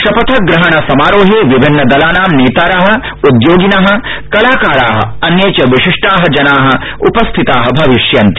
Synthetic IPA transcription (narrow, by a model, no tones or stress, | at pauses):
ʃɐpɐt̪ʰɐɡɾɐɦɐɳɐsɐmaːɾoːɦeːʋibʱinːɐd̪ɐlaːnaːmneːt̪aːɾaːɦɐ̆ | ud̪joːɡinaɦɐ̆kɐlaːkaːɾaːɦɐ̰̆ɐnjeːt͡ʃɐʋiʂiʂʈaːɦɐ̆d͡ʒɐnaːɦɐ̆ | upɐst̪ʰit̪aːɦɐbʱɐʋiʃjɐnt̪i